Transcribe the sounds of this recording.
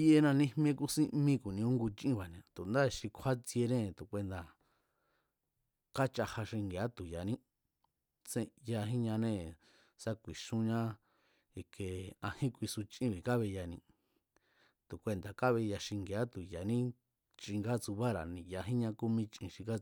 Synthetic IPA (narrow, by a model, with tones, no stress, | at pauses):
i˦e˧nã˧nĩ˧hm˦˧ẽ˧˦ku˦sĩ˧ʔmĩ˦˧ku˨nĩ˧ũ˦ŋɡu˧t͡ʃĩ˦βa˨ñ˧˨ã˨t̪u˨nd̪a˦˧ʃi˧kʰa˦t͡si˧e˧nẽ˦˨t̪u˨kʷe˧nd̪a˨ | ka˦t͡ʃa˧ha˧ʃi˧ŋɡe˨a˦t̪u˨ja˨nĩ˦ | t͡sẽ˧ja˧ɦĩ˦ɲã˧nẽ˦˨ | sa˦kʷi˨ʃũ˧ɲã˦ | e˧ke˧ã˧hĩ˦kʷi˧su˧t͡ʃʔĩ˦˧βi˨ka˦βe˧ja˧nĩ˧ | t̪u˨kʷe˧nd̪a˨ka˦βe˧ja˧ʃi˧ŋɡe˨a˦t̪u˨ja˨nĩ˦ | t͡ʃi˧ŋɡa˦t͡su˧βa˦ɾa̰˨nĩ˧˨ja˧ɦĩ˦ɲã˧ku˧mĩ˧t͡ʃʔḭ̃˧ʃĩ˧ka˦